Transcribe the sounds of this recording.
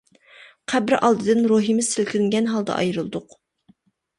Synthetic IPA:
qʰæbɾʔɑlˠd̪ɨd̪ɨnɾoɦimɪz̥sɪlkʲilɪŋɡʲɛnɦɑlˠd̪ɑ̰ʔɑ̰jɾɨlˠd̪ʊq

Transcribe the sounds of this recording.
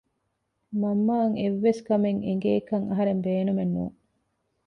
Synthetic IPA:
mɐmːaːŋeʋːeskɐmeŋeŋ̆ɡeːkɐŋɐɦɐɾembeːnumenːṵːŋ

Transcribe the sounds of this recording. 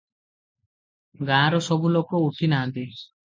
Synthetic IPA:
ɡãːɾɔsɔbulokɔuʈʰinaːnt̪i

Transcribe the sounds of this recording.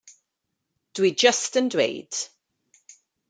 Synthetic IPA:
d̥wid͡ʒəstəndwḛjd̥

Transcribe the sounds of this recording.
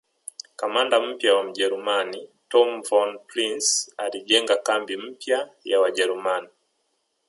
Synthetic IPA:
kamandam̩pjawam̩ɟɛɾumanitɔmvɔnpɾinsaliʄɛŋɡakambim̩pjajawaʄɛɾumani

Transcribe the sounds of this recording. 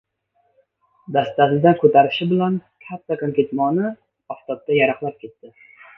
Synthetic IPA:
d̪ast̪asɪd̪ankʰɵt̪ʰaɾɪʃɪbɪlankʲʰat̪ʰːakomkʲet̪mɒnɪ | ɒft̪ɒt̪̚ːajaɾaχlˠap̚kʲe̞t̪ːɪ

